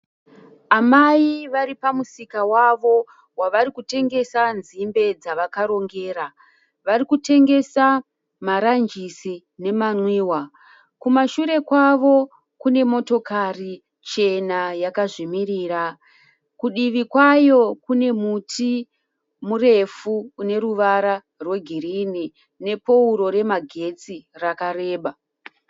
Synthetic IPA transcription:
amaiʋaɾipamusikawaʋo̞ | waʋaɾikute̞ŋɡe̞sanzimbe̞d͡zaʋakaɾo̞ŋɡe̞ːɾa | ʋaɾikute̞ŋɡe̞sa | maɾand͡ʒisi | ne̞manwiːwa | kumaʃuɾe̞kwaʋo̞ | kune̞mo̞to̞kari | t͡ʃe̞najakaʐimiriːra | kuɗiʋikwajo̞kune̞mutʰi | mure̞fuːne̞ɾuʋaɾa | rwe̞ɡʱirini | ne̞pouɾo̞ɾe̞maɡʱe̞t͡sirakare̞ːɓa

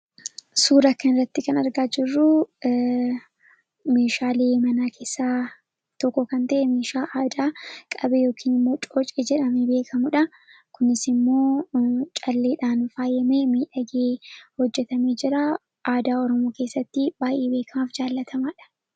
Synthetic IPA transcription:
suːɾɐkːɐnɪrːɐt̪ːɪkɐnɐɾɡaːd͡ʒɪrːʊ | meːʃaːleːmɐnaːkʰe̞ːsːaː | t̪ɔkːɔkɐnt̪ɐʔɛmeːʃaːʔaːd̪aːkʼɐbejo̞ːkʰiːnɪmːo̞ːt͡ʃʼoːt͡ʃʼeːd͡ʒɛᶑɐmebe̞ːkʰɐmʊᶑɐ | kʊnɪsɪmːo̞ːt͡ʃʼɐlːeːᶑaːnfaːjɛmeːmiːᶑɐɡeːhɔd͡ʒːɛt̪ɐmeːd͡ʒɪɾaː | ʔaːd̪aːɔɾɔmo̞ːke̞ːsːɐt̪ːɪb̥aːjʔe̞ːbe̞ːkʰɐmaːfd͡ʒaːlːɐt̪ʰɐmaːᶑɐ̥

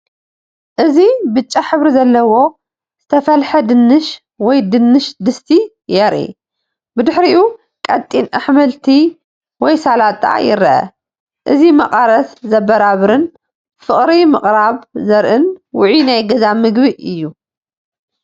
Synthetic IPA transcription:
ʔɨzibɨt͡ʃʼːaħɨβɾizɐlːɐwo̞ | z̥ɨt̪ʰɐfɐlħɐd̪ɨnːɨʃ | wɔjd̪ɨnːɨʃd̪ɨst̪ʰi | jɛɾʔḭ | bɨd̪ɨħɾiʔu | kʼɐt̪ʼinʔaħmɐlt̪ʰi | wɔjsalat̪ʼːa̰ʕjɪ̰ɾɐʔɐ̰ | ʔɨzimɐqʼaɾɐszɐbːɐɾaβɾɨn | fɨχʼɾimɨχʼɾaβzɐɾʔɨnwʊʕinajɡɐzamɨɡbiʔɨjːu

